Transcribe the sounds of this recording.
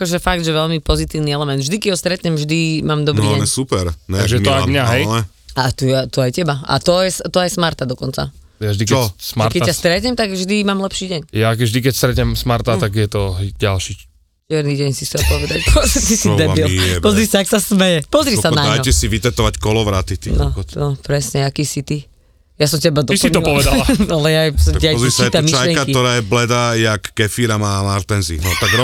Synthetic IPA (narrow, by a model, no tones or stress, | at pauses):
akɔʒɛfaɡ̚d̪ʒɛʋɛʎmipɔzit̪iːʊniɛlɛmɛnd̪vʒd̪ikɛɟɦɔst̪ɾɛt̪ɲɛmʒd̪imaːmd̪ɔbɾiːɛɛsupɛɾnɛaɡʒɛt̪ɔad̪ɲaɦɛjɛ | at̪uɛt̪uajcɛbaa̰t̪ɔjɛst̪ɔajsmaɾt̪ad̪ɔkɔnt͡sa̰ | javʒd̪it͡ʃkɛsmaɾtkɛccːast̪ɾɛt̪ɲɛmt̪aɡvʒd̪imaːmlɛpʃiːɟɛɲjakɛvʒd̪ikɛcst̪ɾɛt̪ɲɛmsmaɾt̪at̪aɡjɛt̪ɔɦɛjɟalʃi | t͡ʃɛɾniːɟɛɲsiɛlpɔʋɛd̪acpʰɔzt̪isid̪ɛilɛpɔzɾisaaksasmɛjɛpɔzɾisanaɲd̪ajɔɛsiʋit̪ɛt̪ɔʋackɔlɔʋɾat̪it̪inɔnɔpɾɛsɲɛakiːsit̪i | jasɔmcɛɛbad̪ɔisiɲɔpɔʋɛd̪alaalɛjaɛɾisait̪ɛmiʃʃajliɛŋkakiɔɾaːjɛblɛd̪ajakːɛfiɾamaːlaɾt̪ɛnzḭnɔt̪aɡɾɔ